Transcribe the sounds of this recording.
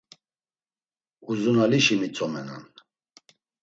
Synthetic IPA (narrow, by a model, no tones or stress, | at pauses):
uzunaliʃimit͡sʰʼɔmɛna̰n